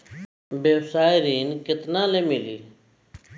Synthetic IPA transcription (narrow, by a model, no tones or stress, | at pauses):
beːʋsaːɪɾiːnkɪt̪nãːlẽːmɪliː